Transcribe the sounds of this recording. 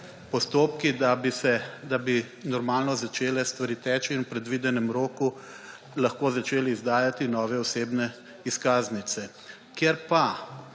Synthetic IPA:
pɔst̪oːpkid̪abisɛd̪abi | nɔɾmaːlnɔzat͡ʃeːlɛst̪ʋaɾiːt̪ɛːt͡ʃiinupɾɛd̪ʋiːd̪ɛnɛmɾoːku | lɐxkoːzat͡ʃeːlɛizd̪aːjat̪inɔːʋɛɔseːbnɛ | iskaːznit̪sɛ | kjeɾpa

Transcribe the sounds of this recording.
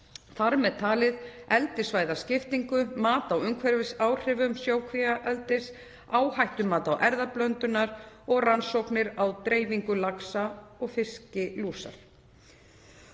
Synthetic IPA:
θaɾmɛðt̪ʰaːlɪðɛlt̪ɪsvaːjðascɪft̪iŋkʏmaːt̪awʏmkʰvɛɾvɪsaːwr̥ɪːvʏmsjoːwkʰviaʔɛlt̪ɪs | aːwhajht̪ʏmaːt̪awʔɛɾðaplœnt̪ʏnaɾɔɣransowknɪɾawt̪ɾeːjviŋkʏlaksaɔɣfɪscɪluːsa̰ɾ̥

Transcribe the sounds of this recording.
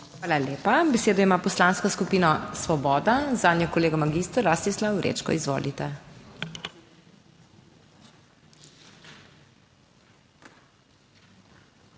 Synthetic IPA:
xʋaːlaleːpabɛseːd̪ɔimaːpɔslaːnskɔskupiːnasʋɔbɔːd̪azaːd̪njɔkɔleːɡamaɡist̪ɾɾast̪islawɾḛːt͡ʃkɔ̰izʋo̰ːlit̪ɛ

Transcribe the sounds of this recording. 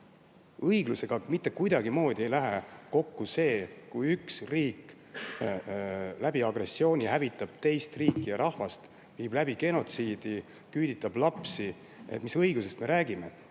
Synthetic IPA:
ɤjɡluse̞ɡ̥ɑmit̪ːˑe̞kujd̪ɑɡ̥imo̞ːd̪̥ʲie̞jlæɦe̞ko̞kːuse̞ːkujyksriːkːˑ | læb̥iɑɡ̥re̞sːio̞ːnʲihævit̪ːˑɑb̥t̪e̞jst̪riːkˑːijɑɾʔɑhvɑst̪ | viːblæb̥iɡe̞no̞t̪siːd̪̥i | kyːd̪it̪ːˑɑb̥lɑpsi | ḛmisɤjɡus̬e̞st̪me̞ɾæːɡ̥ime̞

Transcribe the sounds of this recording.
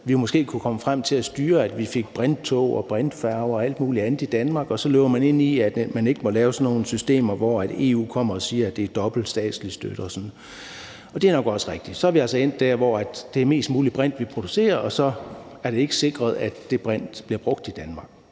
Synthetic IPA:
ʋijo̝mɔsɡ̥e̝̰ːkʰukʰɒ̽məfʁam̰t͡sʰe̝læsd̥yːɐæd̥ʋife̝ɡ̥̚b̥ʁand̥̚t͡sʰɔʊɒ̰b̥ʁand̥fæɐʊɒ̽æl̰d̥muːliænð̩ˠid̥ænmɑ̈ːɡ̥ɒ̽sɒ̽løːʊɐmæne̝n̰iæd̥mæne̝ɡ̥əmɒ̽lɛːʊsɒ̽nːo̝ːn̩sysd̥e̝̰ːmɐʋɒæd̥e̝̰ːṵːkʰɒ̽m̰ɐɒsiːɐæd̥e̝æd̥ɒ̽b̥l̩sd̥ɛ̰ːd̥slisd̥ø̰d̥əɒsɒ̽n̩ˠ | ɒ̽d̥e̝æɐnɒ̽ɡ̥ɒ̽səʁeɡ̥̚d̥i̥sɒ̽æɐʋiælsɒ̽e̝n̰d̥æɐ̰ʋɒæd̥d̥e̝æɐme̝̰ːsd̥muːlib̥ʁan̰d̥ʋipʰʁo̝d̥use̝̰ːɐɒ̽sɒ̽ | æɐɾee̝ɡ̥əse̝ɡ̥ʁɐð̞ˠæd̥d̥e̝b̥ʁan̰d̥b̥liɐb̥ʁɔ̽ɡ̥d̥id̥ænmɑ̈ɡ̥̚

